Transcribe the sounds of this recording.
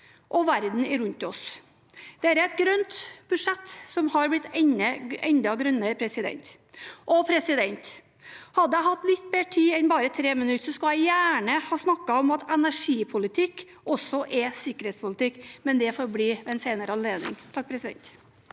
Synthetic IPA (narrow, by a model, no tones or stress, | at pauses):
ʔɔʋæɾd̪n̩ɪɾʉnt̪ɔs | d̪̥ɛæːɾæɪt̪̚ɡɾœnt̪b̥ʉʂɛt̪ːsɔmhɑɾblɪt̪ːɛnəɛnd̪ɑɡɾœnːəɾəpʰɾɛsɪd̪ɛ̰nt̪ | ʔɔpʰɾɛsɪd̪ɛnt̪ | hɑd̪ːəjæɪhɑt̪ːlɪt̪ːbeːʈʰiːɛnbɑːɾət̪ʰɾeːmənʉt̪ːsɔskɑlæɪjæːɳəhɑːsnɑkːɑɔmɑt̪ɛnæʂiːpʰʊlɪt̪ʰɪkː | ʔɔsɔʔɛsɪkːəɾheːt̪spʊlɪt̪ɪkːmɛnd̪ɛfɔɾbliːɛnseːnəɾəɑnleːd̪ɪ̰ŋt̪ʰɑk̚ːpʰɾɛsɪd̪ɛ̰nt̪